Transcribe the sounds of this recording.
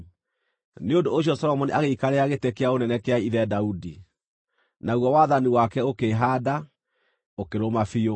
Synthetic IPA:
neondoːɕ̬iɔsɔɾɔmɔneaɣeikaɾeaɣetekeaonɛnɛkeaiðɛdaudi | naɣwɔwaðaniwakɛokeɦaːda | okeɾomafio

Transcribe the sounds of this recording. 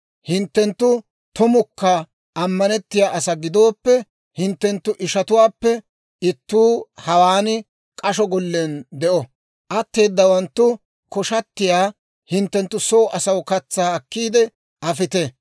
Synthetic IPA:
hɪnt̪ːɛnt̪ːʊ | t̪ʊmʊkːɐ | ʔɐmːɐnɛt̪ːɪjaːʔɐsɐɡɪd̪o̞ːpːɛ | hɪnt̪ːɛnt̪ːʊʔɪʃɐt̪ʊwaːpːɛ | ɪt̪ːuːhɐwaːnɪ | kʼɐʃɔɡɔlːeːnd̪ɛʔɔ | ʔɐt̪ːe̞ːd̪ːɐwɐnt̪ːʊ | kɔʃɐt̪ːɪjaː | hɪnt̪ːɛnt̪ːʊsoːʔɐsɐwkɐt͡sːaːɐkːiːd̪ɛ | ʔɐfɪt̪e

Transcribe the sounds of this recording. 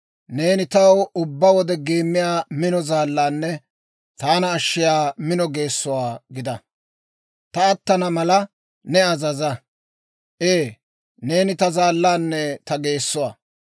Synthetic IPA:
ne̞ːnɪt̪ɐwʊbːɐwɔd̪ɛɡeːmːɪjaːmɪnɔzaːlːaːnːɛ | t̪aːnɐːʃːɪjaːmɪnɔɡe̞ːsːʊwaːɡɪd̪ɐ | t̪ɐːt̪ːɐnɐmɐlɐ | nɛɐzɐzɐ | ʔeː | ne̞ːnɪt̪ɐzaːlːaːnːɛt̪ɐɡe̞ːsːʊwaː

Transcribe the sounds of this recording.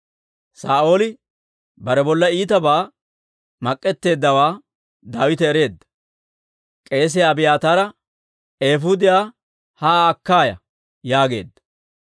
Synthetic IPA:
saːo̞ːlɪ | bɐɾɛbɔlːɐiːt̪ɐbaː | mɐkʼːɛt̪ːe̞ːd̪ːɐwaː | d̪aːwɪt̪ɛɛɾe̞ːd̪ːɐ̥ | kʼe̞ːs̬ɪjaːbɪjaːt̪aːɾɐ | e̞ːfʊd̪ɪjaː | haːkːaːjɐ̰ | jaːɡe̞̰ːd̪ːɐ̥

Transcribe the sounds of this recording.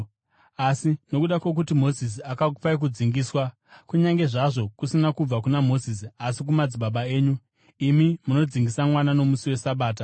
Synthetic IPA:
asino̞kuɗakwe̞k̬utimo̞zis̬iakakupaik̬ud͡ziŋɡiːswa | kuɲaŋɡe̞ʐaʐo̞kusinakub͡vakunamo̞zis̬iasikumad͡ziɓaɓae̞ːɲu | imimuno̞d͡ziŋɡisamwanano̞musiwe̞saɓaːt̬a

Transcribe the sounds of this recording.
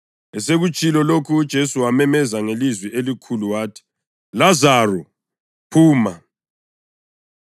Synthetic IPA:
ɛseɣut͡ʃʼilɔlokʰuːd̥ʒ̥ʱesuwamɛmɛzaŋelizwiʔelikʰuluwaːtʰi̥ | lazaːrɔ | pʰuːma

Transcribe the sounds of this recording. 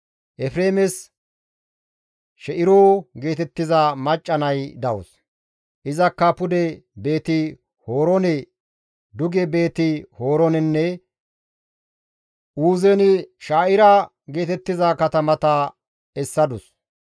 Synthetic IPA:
ʔɛfɾeːmɛs | ʃɛʔɪɾoːɡe̞ːt̪ɛt̪ːɪzɐmɐt͡ʃʼːɐnɐjd̪ɐʔʊ̰s | ʔɪzɐkːɐpʊd̪ɛbe̞ːt̪ɪ | ho̞ːɾɔnɛ | d̪ʊɡɛbe̞ːt̪ɪhoːɾɔnɛnːɛ | ʔuːzɛnɪʃaːʔɪɾɐ | ɡe̞ːt̪ɛt̪ːɪzakɐt̪ɐmɐt̪ɐ | ɛsːɐd̪ʊs

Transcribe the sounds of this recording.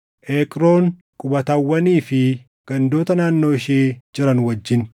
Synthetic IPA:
ʔeːkʼɾo̞ːn | kʼʊbɐt̪ɐwːɐniːfɪ | ɡ̥ɐnd̪o̞ːt̪ɐnaːnːo̞ːɪʃeːd͡ʒɪɾɐnwɐd͡ʒːɪn

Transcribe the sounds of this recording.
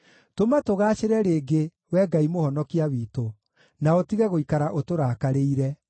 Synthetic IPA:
tomatoɣaːɕeɾɛɾeːɡe | wɛːɡaimohɔnɔkiawiːto | naotiɣɛɣoikaɾaʔotoɾaːkaɾeiɾɛ

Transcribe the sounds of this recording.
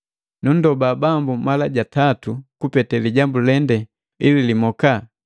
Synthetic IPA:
nun̩dɔbaːbambumalaɟatatukupɛtɛliɟambulɛndɛ | ililimɔka

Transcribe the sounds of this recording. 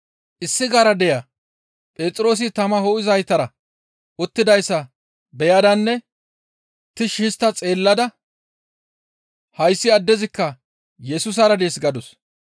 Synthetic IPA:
ʔɪsːɪɡaɾɐd̪ɛjɐ | pʼe̞ːt͡sʼɾo̞ːs̬ɪt̪ɐmɐɦoːʔɪzɐjt̪ːɐɾɐ | ʔʊt̪ːɪd̪ɐjsːɐ | bɛjɐd̪ɐnːɛ | t̪ɪʃɪːst̪ːɐt͡sʼe̞ːlːɐd̪ɐ | hɐjsːɪɐd̪ːɛzɪkːɐ | jɛsʊs̬ɐɾɐd̪eːsɡɐd̪ɔs

